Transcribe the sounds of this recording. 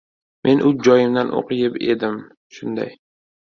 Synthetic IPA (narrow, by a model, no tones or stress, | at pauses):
mʔe̞nʔʊzd͡ʒɒjɪmd̪anʔo̰qɨjɪpe̞̰d̪ɪm | ʃʊnd̪a̰j